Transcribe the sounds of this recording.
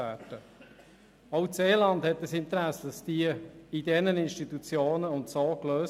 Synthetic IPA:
æːdə | ɑwseːlɑndhɛt̚dəsɪntəɾæsːəd̥ɑsd̥iəidɛnənɪnʃtit̪ut͡sjoːnəʊntsoːkløːs

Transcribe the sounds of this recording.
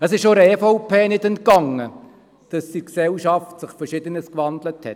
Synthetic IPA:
əsɪʃoɾəɛːfoʊpʰeːnɪdɛnt̚kɑŋːə | d̥ɑsdiksɛlʃɑftsɪχfəɾʃɪdənəskʋɑndləthɛ̰t

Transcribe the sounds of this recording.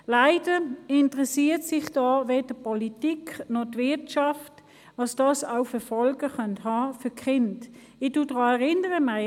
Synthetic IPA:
laɪd̥əɪntʁɛsiːtsɪχd̥ɑːʋeːd̥əpɔlitikʰnɔtʋɪɐtʃɑft | ʋɑsd̥ɑːsaʊfəɐfɔlɡ̥əχœnthɑːfyɐkχɪnt | ɪd̥ud̥ʁɑːɛʁɪnəʁəma

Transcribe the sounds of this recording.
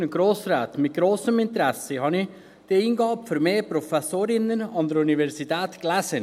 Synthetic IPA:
nəɡ̥ɾoːsɾaːt̪mɪt̪̚ɡ̥ɾoːsəmɪnt̪əɾɛsəhɑni | d̪̥eːinɡɑːpfʏɾmeːpɾɔfɛsoːɾɪnənɑnd̪əɾuniʋɛɾsit̪ʰɛːt̪ɡ̥læsən

